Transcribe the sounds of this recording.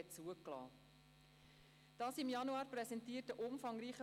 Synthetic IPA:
ɛtt͡suəklɑ̰ː | d̥ɑːsɪmjɑnuɑːɾprɛsɛntiːətəʔʊmfɑŋriːχə

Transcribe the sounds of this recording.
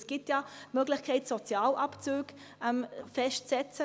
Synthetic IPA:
sɡ̥itjamøɡlɪxkʰɛɪtsɔt͡sjaːlʔɑpt͡søːɡ | ɛmfɛʃtt͡sɛt͡sə

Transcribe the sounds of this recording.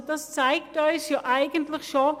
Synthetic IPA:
dɑst͡sæɪktɔʏsjɑːʔæɪɡəntləxʃo

